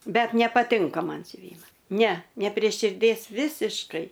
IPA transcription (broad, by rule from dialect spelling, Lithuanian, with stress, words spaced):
ˈbʲɛt nʲɛpɐˈtʲɪŋkɐ ˈmɐn sʲʊˈʋʲiːmɐ nʲɛ nʲɛ pʲrʲeː ʃʲɪrʲˈdʲeːs ˈʋʲɪsʲɪʃkɐɪ